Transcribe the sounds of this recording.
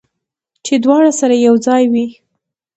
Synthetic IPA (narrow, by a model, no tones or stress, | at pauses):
t͡ʃed̪wɑɽasaɾajawd͡zɑjwi